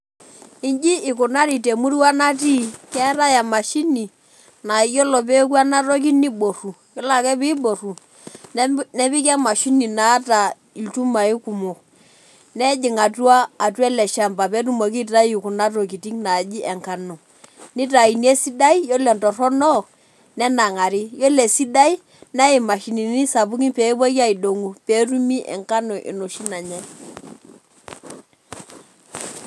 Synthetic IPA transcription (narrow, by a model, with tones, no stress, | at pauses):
i˦nd͡ʒi˦ɪ˨ku˨na˦ɾi˨te˨mu˦ɾi˦wa˦na˦t̬i˦kɛ˦ɾa˦ja˨ma˨ʃi˦ni˨ | na˨i˨jɔ˦lɔ˨p̬ɛ˦ku˦a˦na˦ɾo˦k̬i˦ni˦ɓo˨ru˨ | kɛ˦la˨kɛ˦pi˦ɓo˨ru˨ | nɛ˦pi˦ka˦ma˨ʃi˦ni˨na˨˦ta˨ | i˨ltu˦ma˨i˦ku˨mo˨ | nɛ˦d͡ʒɪ˨ŋa˨tu˦aː˦˨tu˦ɛ˦lɛ˨ʃa˨mba˨pɛ˨˦t̬u˦mo˨k̬i˦ta˦u˨ku˨na˦t̬o˨k̬i˨ti˦ŋna˨d͡ʒi˦ʔɛ˨ŋka˨no˨ | nɪ˦ta˨i˨ni˦e˦si˦da˦i˦jɔ˦lɛ˨ntɔ˨rɔ˦nɔ˦˨ | nɛ˦na˨ŋa˨ɾi˦jɔ˦lɛ˨si˦da˦i˦ | na˦ɪ˨ma˨ʃi˨ni˨ni˦sa˨bu˦ki˦pɛ˨˦bɔ˦ka˦i˨do˨ŋu˨pɛ˨˦tu˦mi˦ʔɛ̰˨ŋka˦no˨ʔɪ̰˨no˨ʃi˦na˨ɲɛ˦